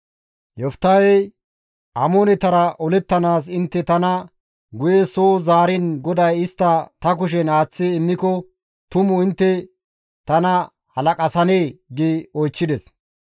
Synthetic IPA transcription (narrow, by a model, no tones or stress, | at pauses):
jɔft̪ːɐj | ʔɐmonɛt̪ɐɾɐʔɔlɛt̪ːɐnaːs̬ɪnt̪ːɛt̪ɐnɐ | ɡʊjesoːzaːɾɪnɡɔd̪ɐjɪst̪ːɐt̪ɐk̬ʊʃ̬ɛnaːt͡sːɪɪmːɪkɔ | t̪ʊmʊɪnt̪ːɛ | t̪ɐnɐ | hɐlɐkʼɐsɐneːɡiɔjt͡ʃːɪd̪ɛs